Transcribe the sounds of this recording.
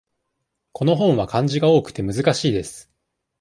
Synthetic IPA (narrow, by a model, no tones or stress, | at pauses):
ko̞no̞ɦõ̞ɰ̃βakãɲ̟d͡ʑiɡao̞ːkɯ̟̥t̪e̞mɯ̟zɨkaɕiːd̪e̞sɨ̥